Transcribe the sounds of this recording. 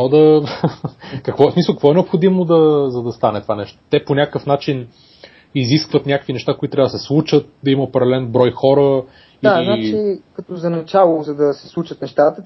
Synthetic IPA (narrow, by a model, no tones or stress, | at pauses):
ɔd̪ɐ | kɐkvɔɛsmisəlˠkək̪vɔɛnɛopxod̪imod̪ɐzɐd̪ɐst̪anɛt̪ovanɛʃt̪o̥t̪ɛponʲakəkəfnat͡ʃin | iziskvət̪nʲakəkvinɛʃt̪akoit̪t̪ɾʲavəd̪sɛslˠut͡ʃət̪̚d̪ɐiməopɛɾɛɛlɛnbɾɔjxɔɾə | iaznat͡ʃikɐt̪ɔzɐnɐt͡ʃalˠozɐd̪ɐsɛ̥slˠut͡ʃət̪nɛʃt̪at̪ə